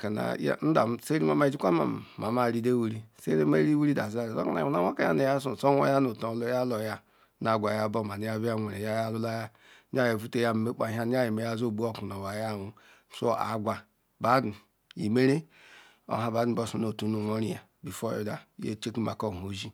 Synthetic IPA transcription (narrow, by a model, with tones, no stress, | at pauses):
ka˨na̰˨ja̰˦n̩˦da̰˨˦se˦ɾi˦ma˨ma˨i˨d͡ʒi˦kʷa˦ma̰˨ma˨ma˦˨ɾi˦de˦we˦ɾi˦se˦ɾe˦me˦ɾi˦we˦ɾi˦da˨za˦˨o˦ka˨na̰˨˦a˨˦a˦ka˨˦ja̰˦ne˨ja˦s̬u˨so˦o̰˦ja˦no˨to˨˦lo˦ja˦lo˨ja˦ | na˨ɡʷa˨ja˦bo˦ma˨ni˨ja˦bi˦a˦ŋʷe˨ɾe˨ja˦ja˦lu˦la˦ja˦ | a˦je˨fu˦te˦ja˦m˨me˦k͡pa˨ɦa˦n˦a˦je˨me˨ja˦zo˦˨bu˦o˦ku˨no˨wa˨ja˦˨wu˦˨ | so˦a̰˨˦ɡʷa˨ | ba˦du˨ | ḭ˨me˦ɾe˦ | o̰˦ɦa˨ba˨˦du˨bo˦su˦no˨tu˨nu˦˨no˦ɾi˦ja˨ | bi˨fo˦jo̰˦da̰˨˦jḛ˦t͡ʃe˦ki˦ma̰˨ko˦˨o˨ʒi˦